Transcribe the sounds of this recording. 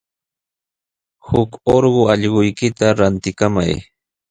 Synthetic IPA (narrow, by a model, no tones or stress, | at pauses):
hʊkoɾɢoɑʎɢʊjkɪt̪aɾant̪ɪkama̰j